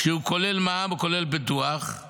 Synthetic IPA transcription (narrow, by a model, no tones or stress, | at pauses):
ʃehukole̞lmamukole̞lbituaχ